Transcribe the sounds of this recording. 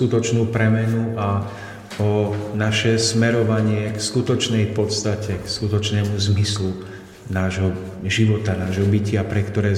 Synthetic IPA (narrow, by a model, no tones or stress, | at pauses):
kut̪ɔt͡ʃnuːpɾɛmɛnuʔa | ɔnaʃɛsmɛɾɔʋaɲɪɛkskut̪ɔt͡ʃnɛjpɔt̪st̪acɛkskut̪ɔt͡ʃnɛːmuzmislu | naːʒɦɔ | ʒiʋɔt̪anaːʒɦɔbicɪapɾɛkt̪ɔɾɛː